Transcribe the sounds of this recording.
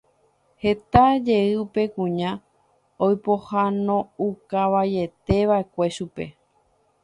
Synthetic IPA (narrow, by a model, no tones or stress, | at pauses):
he̞t̪ad͡ʒe̞ɨupe̞kũɲã | ojpohanõukaʋaje̞t̪e̞ʋae̞kʷe̞ʃupe̞̰